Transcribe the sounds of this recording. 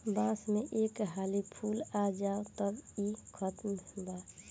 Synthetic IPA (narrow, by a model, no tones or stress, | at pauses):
bãːsmeʔekɦaːlipʰuːlad͡ʒaːot̪əbikʰɔt̪mbaː